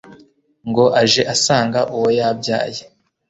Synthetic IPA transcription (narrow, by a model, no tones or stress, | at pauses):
ŋɡo̞ʔaʒe̞ʔasaːŋɡaʔuwojabɟa̰ːje